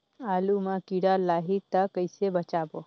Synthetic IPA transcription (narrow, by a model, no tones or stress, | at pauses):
aːlumãkiɽalaːɦit̪akəjsebət͡ʃaːbo